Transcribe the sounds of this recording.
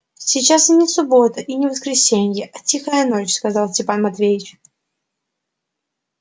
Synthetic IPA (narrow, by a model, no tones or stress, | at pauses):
sʲɪt͡ɕasnʲɪsʊbo̞t̪əʔinʲɪvəskɾʲɪsʲenʲjəʔɐtʲixəjənot͡ɕskɐzalˠsʲtʲɪpanmɐt̪vʲejɪt͡ɕ